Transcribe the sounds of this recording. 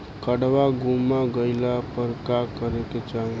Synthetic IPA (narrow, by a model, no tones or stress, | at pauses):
kəɽʋaɡumaɡəɪlapəɾkakəɾeket͡ʃaɦ